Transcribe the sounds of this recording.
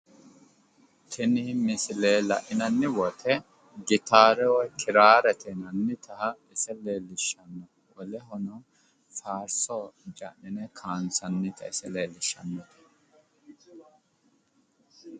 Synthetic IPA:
t̪ʰɛnɪmɪsɪleːlɐ̰ʔɪnɐnːɪwɔt̪ʰɛ | ɡɪt̪aːɾɛwɔjkʰɪɾaːɾɛt̪ʰɛnɐnːɪt̪ɐhɐɪsɛle̞ːlːɪʃːɐnːɔ | wɔlɛɦɔnɔ | faːɾsɔd͡ʒɐ̰ʔɪnɛkʰaːnsɐnːɪt̪ʰɐɪsɛleːlːɪʃːɐnːɔt̪ɛ̥

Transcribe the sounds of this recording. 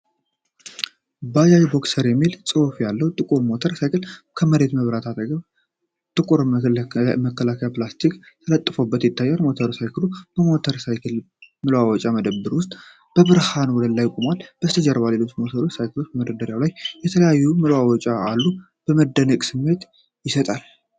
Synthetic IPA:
bajajbo̞ksəɾjɛmːilsʼofjalːəwt̪ʼɨkʼuɾmo̞t̪ʰəɾsajkʰɨl | kʰəməɾe̞t̪məβɾat̪ʰat̪əɡə | t̪ʼɨkʼuɾ | məkːəlakʰəjaplast̪ʰik | t̪ʰələt̪ʼːɨfobːət̪jɪt̪ʰːajːaɾmo̞t̪ʰəɾsajkʰɨlub̥əmo̞t̪ʰəɾsajkʰɨl | mɨlwawɔt͡ʃʼaməd̪əbːɨɾwʊst̪ʼ | b̥əβɨɾhanwɔd̪əlːajkʼumalːb̥əst̪ʰəd͡ʒɛɾβale̞lo̞t͡ʃːmo̞t̪ʰəɾo̞t͡ʃːsajkʰɨlo̞t͡ʃːbəməd̪əd̪əɾjawlajjɛt̪ʰələjajːumɨlwawɔt͡ʃʼaːlːu | b̥əməd̪ːənəkʼsɨmːe̞t̪ | jɪsət̪ʼal

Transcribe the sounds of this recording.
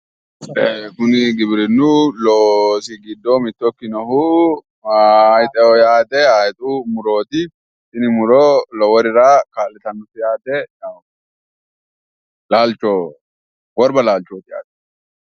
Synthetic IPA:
ekʊnɪɡɪbɪɾɪnːʊloːsɪɡɪd̪ːɔmɪt̪ːɔkːɪnɔɦu | jt̪ʼɛɔjaːt̪ɛajt̪ʼumʊɾoːt̪ɪ | ɪnɪmʊɾɔlɔwɔɾɪɾakaːlːɛt̪ɐnːʊfɪjaːt̪ɛnɐ | laːlt͡ʃːoː | wɔɾbɐlaːlt͡ʃːoːt̪ɪja̰ːt̪ɛ̥

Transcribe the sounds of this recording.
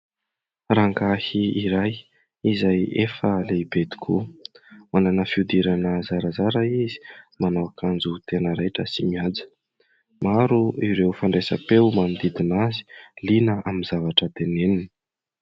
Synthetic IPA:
raŋkahiiɾaj | izajefəleibed̪i̥kʰu | mananəfiud̪iɾanəzaɾazaɾaizi̥manowakʰand͡zut̪enəɾajʈ͡ʂəsimiad͡zə̥ | maɾuiɾewfaɳɖ͡ʐesə̰pewmanid̪id̪inazi̥linəaminzavaʈ͡ʂət̪enenini̥

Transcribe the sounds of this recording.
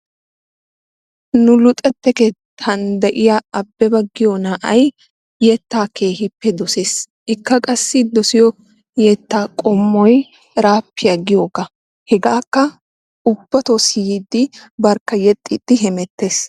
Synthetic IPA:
nʊlʊt̪ʼɛt̪ːɛkɛt̪ʰɐnd̪ɐʔɪjaɐbːɛbɐɡːɪjɔnaːʔɐj | jɛt̪ːaːkeːhɪpːɛd̪ɔseːs | ʔɪkːɐkʼɐsːɪd̪ɔsɪjɔ | jɛt̪ːaːkʼɔmːɔj | ɾaːpːɪjaɡɪjoːɡɐ | hɛɡaːkːɐ | ʊb̥ːɐt̪osɪjid̪ːɪbɐɾkːɐjɛt̪ʼːɪd̪̥ːɪɦɛmɛt̪ːe̞ːs

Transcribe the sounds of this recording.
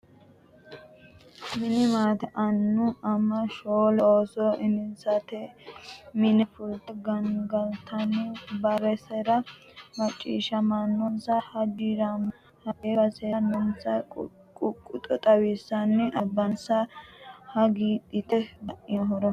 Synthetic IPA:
mɪnɪmaːt̪ɛʔɐnːʊɐmːɐʃoːlɛoːsɔʔɪnɪnsɐt̪ɛ | mɪnɪfʊlt̪ɛɡɐŋɡɐlt̪ɐnɛbɐɾɛsɛɾɐ | mɐt͡ʃʼːḭːʃɐmɐnːɔnsɐhɐd͡ʒɪɾɐm | hɐʔebɐsenɐnsɐ | kʼʊkʼːʊt̪ʼɔt̪ʼɐwisːɐnːɛʔɐbɐnsɐhɐɡiːd̪ɪt̪ɛb̪ɐʔɪɐɦɔɾɔ

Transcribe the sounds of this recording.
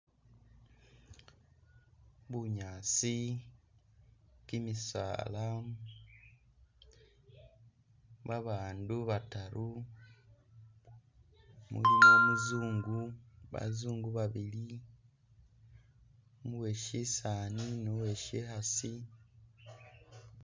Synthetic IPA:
βuɲaːt͡si | kimisa̰ːla | βaβaːnduβataɾu | mṵlimomuzuːŋɡuβa̰zuːŋɡuβaβili | muweʃisaːninoweʃehasi

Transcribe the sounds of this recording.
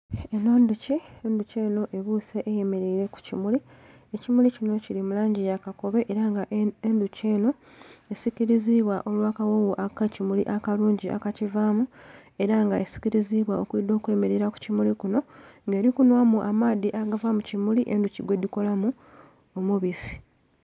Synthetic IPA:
eno̞ːnduceenduce̞ːno̞ʔe̞βuse̞ʔːje̞me̞ɾeiɾe̞ku̥cimuli | ecimulicino̞cilimulaːɲɟijakako̞βe̞ʔeɾaŋɡaʔenduce̞ːno̞ | e̞sikiɾiziβwaʔo̞lwaːkawowoʔakacimuliʔakaluːɲɟiʔa̰kacivaːmue̞ɾaŋɡaesi̥ciɾiziβwao̞kwiːd̪o̞ːkwe̞me̞ɾeɾaku̥cimulikuno̞ŋɡe̞ːɾikunwamuʔamaːðiʔaɡavamucimuliʔe̞nduciɡwe̞d̪iko̞lamu | omuβisi̥

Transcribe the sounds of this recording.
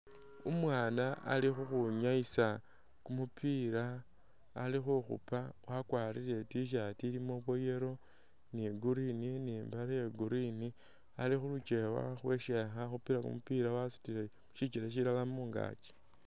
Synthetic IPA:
umwaːnaa̰lixuxuɲaisa | kumupʰiɾaː | lixuxṵpawʔakwaɾile̞tiʃ̬atilimo̞βwo̞je̞ɾo̞ | niɡuɾininimbaɾajeɡuɾini | alixulut͡ʃe̞wa̰xwe̞ʃexaxupiɾakṵmupiɾawasu̥tile | ʃit͡ʃiɾeʃ̬ilalamuŋɡa̰ːt͡ʃe̥

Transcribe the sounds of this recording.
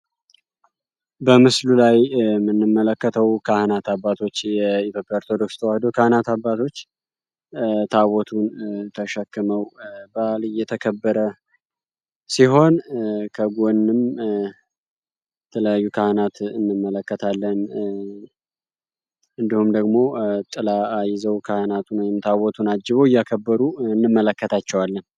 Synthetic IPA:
bəmɨslulajmːɨnːɨmːələkːət̪ʰəwkʰahənat̪ʰabːat̪ʰo̞t͡ʃːjɛit̪jo̞pːjaoɾt̪ʰod̪o̞kst̪ʰəwahd̪okʰahənat̪abːat̪ʰo̞t͡ʃː | t̪ʰawɔt̪ʰunt̪ʰəʃəkːɨməwbalɨjːɛt̪ʰəkʰəbːəɾə | siɦo̞nkʰəɡonːɨm | jɛt̪ʰələjajːukʰahənat̪ɨnːɨmːələkːət̪ʰalːən | ɨnd̪ihumd̪əɡmo̞t̪ʼɨlaajɪzəwkʰahənat̪ʰunwjɪmt̪ʰawɔt̪ʰunad͡ʒːɨβoɨjakʰəbːəɾuɨnːɨmːələkːət̪ʰat͡ʃːɛwalːən

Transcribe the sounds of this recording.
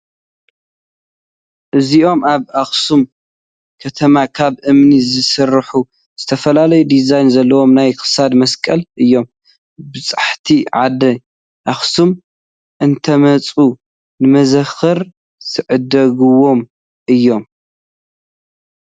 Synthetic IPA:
ʔɨziʔo̞mʔaβaxsum | kʰɐt̪ʰɐmakʰaβʔɨmnizɨsɨrħu | z̥ɨt̪ʰɐfɐlalɐjud̪izajnzɐlːɐwo̞mnajxɨ̥sad̪mɐskʼɐlʔɨjːo̞m | bɨt͡sʼaħt̪ʰiʕad̪ɐ | ʔaxsum | ʔɨnt̪ʰɐmɐt͡sʼu | nɨmɐzɐxɨɾ | zʰɨʕɨd̪ɐɡɨwo̞m | ʔɨjːo̞m

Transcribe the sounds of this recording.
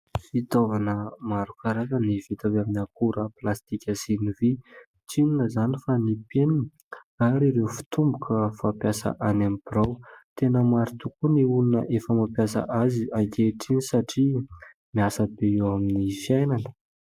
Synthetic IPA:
fit̪ovanəmaɾukaɾakənivit̪avaminakuɾaplast̪ikʲəsinivi | ʈ͡ʂininəzanifanipenini | aɾiɾewfi̥t̪umbukəfapjasa̰ʔanamibiɾawt̪enəmaɾit̪ukuniulinəʔefəmapjasa̰ʔaziaŋkeʈ͡ʂinisaʈ͡ʂi | miasəbeewaminifijajnanə̥

